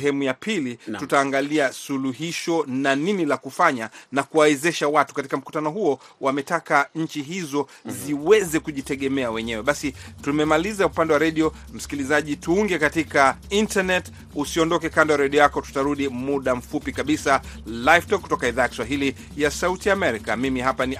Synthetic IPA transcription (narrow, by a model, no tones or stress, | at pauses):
ɦɛmujapʰilitutaːŋɡaliasuluɦiʃɔnaninilakufaɲanakuwawɛzɛʃawatu̥kati̥kam̩ku̥tanɔɦuɔ | wamɛtakaɲ̩t͡ʃiɦizɔziwɛzɛkuʄitɛɠɛmɛawɛɲɛwɛɓasitumɛmalizaupandɛwaɾɛɗiɔ | m̩si̥kilizaʄituuŋɡɛkatikaintanɛt | usiɔndɔkɛkandawaɾɛɗiɔjakɔtu̥taɾuɗimuɗam̩fupikaɓisalajvtɔkːutɔkaiðaːjakiswaɦili | jasautiaːmɛɾikamimiɦapani